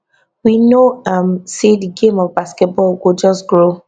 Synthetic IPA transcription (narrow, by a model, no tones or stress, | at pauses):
winoʌmsediɡẽmɔvbaskɛt̚bɔlwɪd͡ʒʌsɡɹo